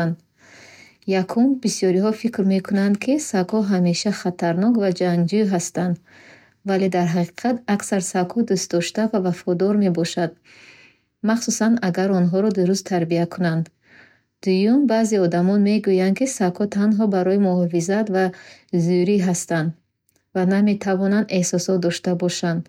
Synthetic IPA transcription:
nd̪ | jakʰumbisjɔɾiɦɔfikɾme̞kʰunand̪̚kʰisakɔɦame̞ʃaχat̪ʰaɾnɔkvad͡ʒaŋɡd͡ʒuɦast̪and̪ | vale̞d̪aɾɦaqi̥qʰat̪aksaɾsakʰhɔd̪ust̪̚d̪ɔʃt̪avavafɔd̪ɔɾme̞bɔʃad̪̚ | maχsusanaɡaɾɔnɦɔɾɔd̪uɾust̪ʰaɾbiakʰunand̪ | d̪̥ujumbaːzeɔd̪amɔnme̞ɡujand̪kisakʰɔt̪ʰanɦɔbaɾɔimuɔfizat̪vazuɾiɦast̪and̪ | vaname̞t̪ʰavɔnand̪e̞hsɔsɔt̪̚d̪ɔʃt̪abɔʃand̪

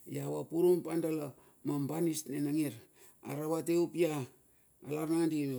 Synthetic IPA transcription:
jawapuɾumpandala | mambanisnenaŋiɾ | a̰ɾaβateupijaː | laɾnandin

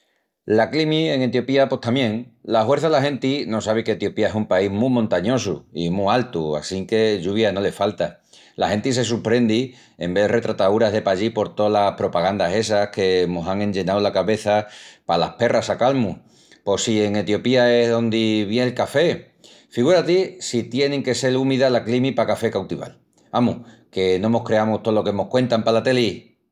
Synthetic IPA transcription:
laklimie̞ŋe̞t̪jo̞piapo̞ht̪amjẽ̞ŋlahwe̞ɾθaðelahẽ̞nt̪ino̞saβ̞eket̪jo̞piaesumpaiɦmumõnt̪aɲo̞s̬ṵimualt̪ua̰siŋke̞ʎuβ̞jano̞le̞falt̪a | la̰he̞nt̪is̬e̞s̬uɾpɾe̞nd̪i | e̞mbe̞ðre̞t̪ɾat̪auɾaɦðe̞paʎipo̞ɾt̪o̞lahpɾo̞paɣand̪ase̞s̬ahke̞mosaŋẽ̞ɲd͡ʒe̞nawlakaβe̞θapalahpe̞rʔasakalmu | po̞sie̞ŋe̞t̪jo̞piae̞ɦðo̞nd̪iβjelkafe̞ | fiɣ̞uɾat̪isit̪je̞neŋke̞se̞lumiðalaklimipakafe̞kawt̪iβa̰l | amuh | ke̞nõ̞mo̞hkɾe̞amut̪olo̞kemohkwe̞nt̪ampalat̪e̞li

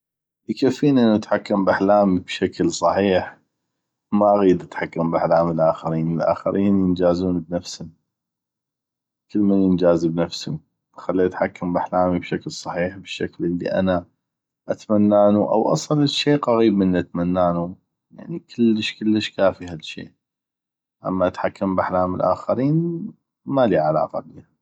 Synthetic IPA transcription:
jkafːiːnʔənːuʔat̪ħakːambʔaħlaːmibʃaklsˤɑħiːħ | maʔɣiːd̪ʔat̪ħakːambʔaħlaːmilʔaːxaɾiːnəlʔa̰ːxɪ̰ɾʔiːnjənd͡ʒaːzuːnbnafshʊm | kəlːmanjənd͡ʒaːzibnafshʊm | xalːiʔat̪ħakːambaħlaːmibʃaklsˤɑħiːħbəʃːaklʔəlːḭʔa̰na | ʔat̪manːaːnuʔa̰wʔɑ̰sˤɑlʃeːqɑɣiːbmənːiʔat̪manːaːnu | ja̰ʕnikʰəlːəʃkəlːəʃkaːfiɦalʃːḛːʔ | ʔa̰mːaʔat̪ħakːambʔaħlaːməlʔa̰ːxaɾiːn | maliʕala̰ːqɑ̰bḭːha

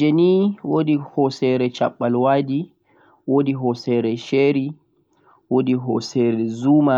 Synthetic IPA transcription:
d͡ʒeniwodihɔsɛɾɛt͡ʃa̰ɓːalwaːdi | wodiɦɔsɛɾɛʃeːɾi | wodiɦɔsɛɾɛzuːma

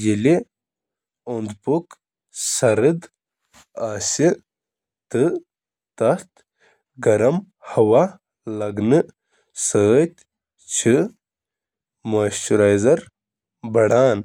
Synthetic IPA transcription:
jili | ond̪puk | sɐɾɨd̪ | aːsi | t̪ɨ | t̪ɐt̪ | ɡɐɾɐm | hɐwa | lɐɡnɨ | sət̪ | t͡ɕʰi | maːɕt͡ʃuɾajzɐɾ | bɐɽaːn

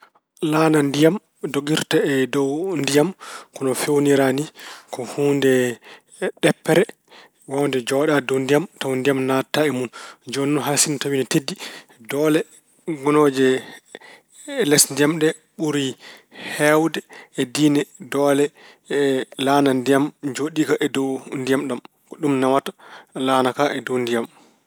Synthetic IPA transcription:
lanandijam | doɡiɾtaɛdɔwndijamkɔnɔfewniɾanikɔhuːndɛ | ɗɛpːɛɾɛ | wawndɛd͡ʒɔɗadɔwndijamtawndijamnataɛmund͡ʒɔnːɔɦasintawinɛtedːi | dɔlɛ | ɡɔnɔd͡ʒɛ | lɛsndijamɗɛ | ɓuɾihɛwdɛɛdiːnɛdɔlɛ | ɛlanandijamd͡ʒoɗikaʔɛdɔndijamɗam | kɔɗumnawatalaːnakaʔɛdondijam

